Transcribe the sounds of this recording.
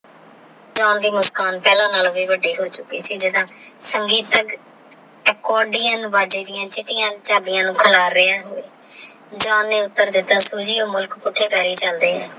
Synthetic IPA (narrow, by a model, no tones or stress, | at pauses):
d͡ʒãːnd̪iːmʊskaːnpɛːlãːnaːloʋiːʋəɖiːɦoːt͡ʃʊkːiːsiːd͡ʒɪd̪ãːsəŋɡiːt̪ək | ɛːkɔːɖɪjãːnũːʋaːd͡ʒeːd̪ɪjãːt͡ʃɪʈːɪjãːt͡ʃaːbɪjãːnũːkʰəlaːɾːɪaːɦoːeː | d͡ʒãːnːeːʊt̪ːəɾd̪ɪt̪ːaːsuːd͡ʒiːõːmʊlkpʊʈʰːeːpɛːɾiːt͡ʃəld̪eːɦɛː